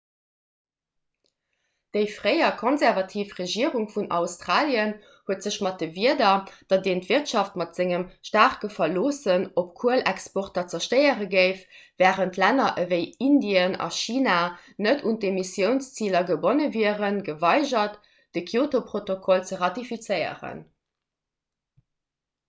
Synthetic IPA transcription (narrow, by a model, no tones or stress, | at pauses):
d̥əɪfʁəɪɐkʰonzæʁvɑtʰiːfʁeʒiəʁuŋfunʔɑ̰ʊstʁ̥aːljən | huətz̥əɕmɑt̚d̥əviədɐd̥ɑt̚deːntviʁtʃɑftmɑtz̥ɪŋəmʃtaːʁkəfɐloːsənopkʰuəlækspɔʁtɐt͡sɐʃtɜɪəʁəɡəɪfvæːʁəntlænɐʔəvəɪindiənɑ̰ʃiːnanətʰundemisjəʊnst͡siːlɐɡəbonəviəʁənɡəvɑɪʑɐt | d̥əkʰjoːtopʁotokʰɔlt͡səʁɑtifit͡səɪə̰ʁə̰n